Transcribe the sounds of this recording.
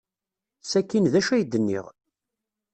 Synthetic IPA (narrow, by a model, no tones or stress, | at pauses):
sækːinðæʃæjd̪ənːḭʁ